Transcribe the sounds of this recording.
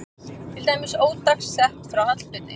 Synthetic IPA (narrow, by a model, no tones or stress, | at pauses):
t̪ʰɪlt̪aːjmɪsoːwt̪aksːɛht̪fɾawhat̪l̥t̪ʏnːɪ̰